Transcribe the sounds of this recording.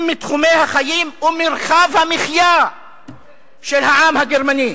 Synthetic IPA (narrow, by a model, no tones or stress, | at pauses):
mːit̪χume̞jhaχajimumiʁχavhamiχja | ʃelɦaamhaɡeʁmani